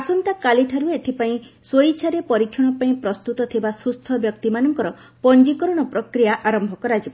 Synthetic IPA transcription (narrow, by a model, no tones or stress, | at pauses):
asɔnt̪akalit̪ʰaɾuet̪ʰipaĩ | swojt͡ʃʰaɾepɔɾikʰjɔɽ̃ɔpaĩpɾɔst̪ut̪ɔt̪ʰibasust̪ʰɔbjɔk̚t̪imanɔŋkɔɾɔ | pɔnd͡ʒikɔɾɔɽ̃ɔpɾɔkɾijaʔaɾɔmbʱɔkɔɾad͡ʒib